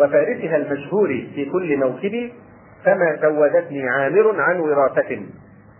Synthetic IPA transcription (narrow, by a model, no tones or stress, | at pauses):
wafaːɾɪsʊɦalmaʃhuːɾifiːkʊlːɪmawkɪbiː | famaːsawːad̪at̪niːʕaːmɪɾʊnʕanwɪɾɑːθat̪ɪn